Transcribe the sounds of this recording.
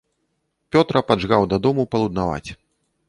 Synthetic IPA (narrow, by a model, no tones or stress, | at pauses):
pʲɔt̪ɾɐpad͡ʐɣawd̪ad̪ɔmupɐlˠud̪̚nava̰t͡sʲ